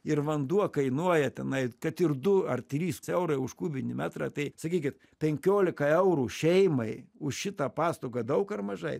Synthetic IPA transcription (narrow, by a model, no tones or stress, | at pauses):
ɪɾʋɐnd̪uɔkɐɪnuɔjɛt̪ʲɛnɐɪkɐt̪ɪɾd̪ʊɐrt̪ʲɾʲiːssɛʊɾɐɪʊʃkuːbʲɪnʲɪmʲæːt̪ɾɑ̰ːt̪ɐɪsɐkʲiːkʲɪt̪ | pʲɛŋʲkʲoːlʲɪkɐɛʊɾuːʃʲɛɪmɐɪʊʃʃʲɪt̪ɑpɑːst̪oːɡɐd̪ɐʊkɐrmɐʒɐɪ